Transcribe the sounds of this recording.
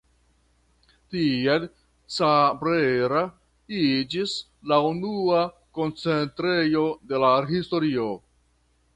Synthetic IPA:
tiel | t͡sabɾeɾa | id͡ʒis | launua | ko̞nt͡se̞ntɾe̞jo̞de̞laɦisto̞ɾio̞

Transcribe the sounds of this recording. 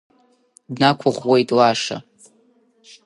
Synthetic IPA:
dnakʷʰʊχʷwe̞jtʼlaʂa̰

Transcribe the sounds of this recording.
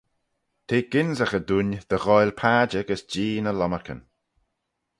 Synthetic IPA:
t̪ʰeːɡ̥ɪnzəxəd̪und̪̥əɣɔjlpʰaːd͡ʒəɡəsd͡ʒiːnəlɔməkʰə̰n

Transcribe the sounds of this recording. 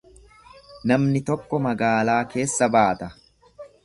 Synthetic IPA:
nɐmnɪt̪ɔkːɔmɐɡaːlaːke̞ːsːɐbaːt̪ɐ

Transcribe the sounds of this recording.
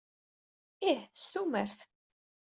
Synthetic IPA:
iħst̪uməɾθ

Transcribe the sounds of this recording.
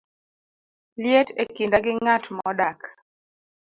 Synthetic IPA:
ljetekindaɡɪŋatmɔdak

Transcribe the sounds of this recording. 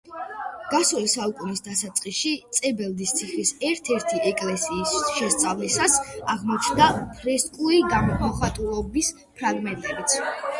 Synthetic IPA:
ɡ̥asulisaukʼunisd̪asat̪sʼqʼiʃit̪sʼɛbɛlˠd̪ist̪sʰiχisɛɾt̪ʰɛɾt̪ʰiɛkʼlɛsiːsʃɛst̪sʼavlisasaʁmɔt͡ʃʰnd̪apʰɾɛskʼuliɡamɔmɔχat̪ʼulˠɔbis | pʰɾaɡmɛnt̪ʼɛbit̪sʰ

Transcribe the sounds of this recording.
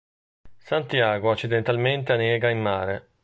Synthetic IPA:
sant̪jaːɡoat͡ʃːid̪ent̪alment̪eanɛːɡaimːaːɾe

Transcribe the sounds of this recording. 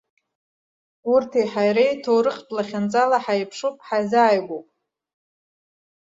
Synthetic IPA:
urtʰejħajɾejtʰowɾɨqʲʼtʼlaχʲant͡sʼalaħajpʰʂupʼħazaːjɡʷopʼ

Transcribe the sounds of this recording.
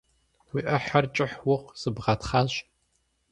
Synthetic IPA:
wiːʔɐħart͡ʃʼɪħwʊqsɨbʁɐtχaːɕ

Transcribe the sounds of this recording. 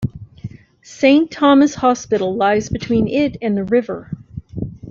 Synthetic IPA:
sẽɪ̃ntʰɑmɨshɑspɪɾl̩ˠlaɪzbɨtʰw̥ĩnɪɾɨ̃nðɨɹɪvə˞

